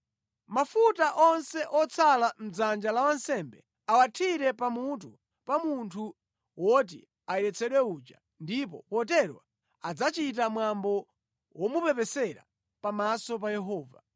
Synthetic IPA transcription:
mafutaʔɔnsɛʔɔt͡sʰalam̩d͡zand͡ʒalawansɛmbɛ | awatʰiɾɛpamut̬u | pamuntʰu | wɔt̬ḭ | aɛɾɛt͡sʰɛɗwɛud͡ʒa̰ | ndip̬ɔ̰pɔt̬ɛɾwa | ad͡zat͡ʃit̬amwambɔ | wʔɔmupɛpɛsɛɾa̰ | pamasɔp̬ajɛɦɔːva̰

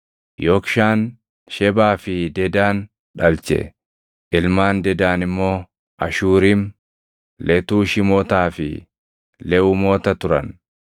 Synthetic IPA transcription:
joːkʃaːn | ʃɛbaːfɪd̪ɛd̪aːn | ᶑɐlt͡ʃɛ̰ | ʔɪlmaːnd̪ɛd̪aːnɪmːo̞ː | ʔɐ̰ʃuːɾɪm | lɛt̪uːʃɪmoːt̪aːfɪ̰ | lɛʔuːmoːt̪ɐt̪ʊɾɐ̰n

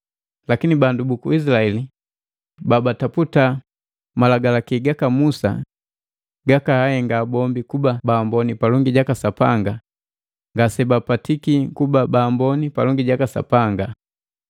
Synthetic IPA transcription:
lakinibandubukuisilaɛli | babataputa | malaɡalakiɡakamusa̰ | ɡakahahɛŋɡaːbɔmbikubabaːmbɔnipalɔŋɡiɟakasapaŋɡa | ŋɡasɛbapatikikubabaːmbɔnipalɔŋɡiɟakasa̰paŋɡa

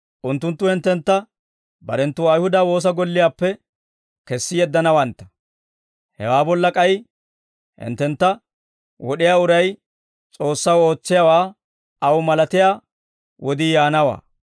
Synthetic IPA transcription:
ʔʊnt̪ːʊnt̪ːʊhɛnt̪ːɛnt̪ːɐ | bɐɾɛnt̪ːʊɐjhʊd̪ɐwo̞ːs̬ɐɡɔlːɪjaːpːɛ | kɛsːɪjɛd̪ːɐnɐwɐnt̪ːɐ̥ | hɛ̰waːbɔlːɐkʼɐj | hɪ̰nt̪ːɛnt̪ːɐ | wʔɔɗɪjaːʊɾɐj | t͡sʼo̞ːsːɐwo̞ːt͡sːɪjawaː | ɐwmɐlɐt̪ɪjaː | wʔɔd̪iːjaːnɐwa̰ː

